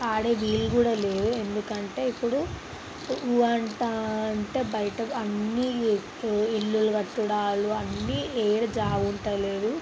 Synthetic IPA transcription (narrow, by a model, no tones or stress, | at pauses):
aːɽeːʋiːluɡuːɽaːle̞ːɾue̞nd̪ukɐɳʈe̞ːipːuɽu | uɐɳʈaːɐɳʈe̞ːbɐjɐʈɐkɐnːi | iɭːuluɡɐʈːuɽaːluɐnːieːɾɐd͡ʒaːʋuɳʈɐle̞ːd̪u